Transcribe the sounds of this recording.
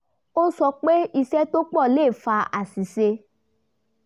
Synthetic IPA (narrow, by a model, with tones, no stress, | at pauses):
o˦sɔ˧k͡pe˦i˧sɛ˦to˦k͡pɔ˦˨leː˦˨fa˧a˨si˨se˧